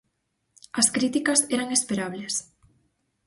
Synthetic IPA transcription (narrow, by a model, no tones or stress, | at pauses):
ɐskɾit̪ikɐseɾaŋespeɾaβles